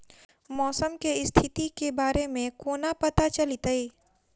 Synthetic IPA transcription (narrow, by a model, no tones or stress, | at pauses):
mɔːsəmkeɪst̪ʰɪt̪ikebaːɾemẽkoːnapɐt̪at͡ʃɐlit̪əiː